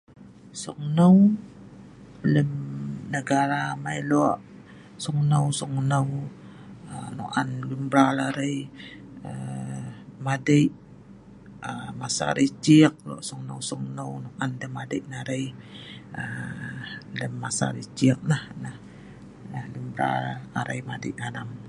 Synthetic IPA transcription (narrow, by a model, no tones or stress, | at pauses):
sɔŋnəw | ləmnəɡaɾamailoʔ | sɔŋnəwsɔŋnəw | əno̰ʔanlumbɾalaɾəj | ə | madəjʔ | əmasa̰ɾit͡ʃiək̚lo̰ʔsɔŋnə̰wsɔŋnəwnoʔandəmadəjʔnaɾaj | ə | ləmːasa̰ɾit͡ʃiək̚nahnah | nahlumbɾa̰laɾa̰jmadəʔanam